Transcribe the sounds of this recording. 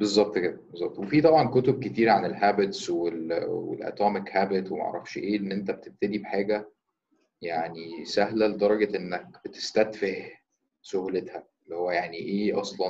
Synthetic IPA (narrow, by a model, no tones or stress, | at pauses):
bezˤːɑb̚t̪ˤkebezˤɑb̚t̪wefiːt̪ˤɑbʕɑnkot̪ob̚ket̪iːɾʕanelɦæːbet̪swelwḛlʔæ̰t̪ˤɑːmekhæbet̪wemæʔʕɾˤɑfʃʔeːʔenːʔent̪æbet̪eb̚t̪ed̪ibeħaːɡæ | jaʕnisæɦlæled̪ɑɾˤɑɡɑʔenːæk̚b̥et̪e̥st̪æd̪feh | sohulet̪hæ | lːihowːæjaʕniʔeːʔɑsˤlɑn